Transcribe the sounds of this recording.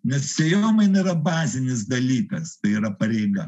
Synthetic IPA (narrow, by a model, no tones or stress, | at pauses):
nʲɛssʲɛjoːmɐɪniːɾɐbɑːzʲɪnʲɪsd̪ɐlʲiːkɐst̪ɐɪiːɾɐpɐɾʲɛɪɡɐ